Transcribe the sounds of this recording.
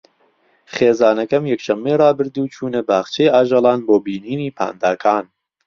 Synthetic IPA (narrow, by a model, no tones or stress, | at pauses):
χeːzaːnɐkɐmjɛkʃɐmːejrˤɑːbɨɾd̪uːt͡ʃʰuːnɐbaːχt͡ʃʰejaːʒɐlˠɑːnboːbiːniːniːpʰa̰ːnd̪aːkʰaːn